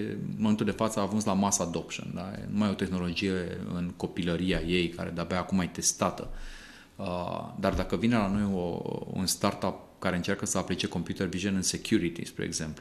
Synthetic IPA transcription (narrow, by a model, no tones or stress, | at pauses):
ɨnmomet̪uld̪e̞fat̪səaːʒunslamasəad̪o̞pʃo̰nd̪ajḛnumajo̞t̪e̞xno̞lo̞d͡ʒije̞ɨ̰nko̞piləɾiaje̞jka̰ɾe̞d̪abaːkumajt̪e̞st̪at̪ə̰ | əd̪ard̪akəvine̞lano̞jo̰ṵnst̪art̪ap̚kaɾeɨnt͡ʃerkəsəaplit͡ʃe̞ko̞mpjut̪erviʒonɨnse̞kʲʰjuɾit̪ḭspɾḛeɡze̞mplu